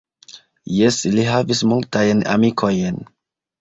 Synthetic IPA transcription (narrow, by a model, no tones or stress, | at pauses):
jɛsliɦavismɔltajna̰mikʰojɛ̃n